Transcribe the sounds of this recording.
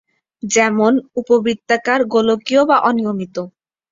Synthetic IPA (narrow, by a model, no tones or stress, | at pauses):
d͡ʑɛmonupobɾit̪ːakaɾɡolokiobaʔɔnijomit̪o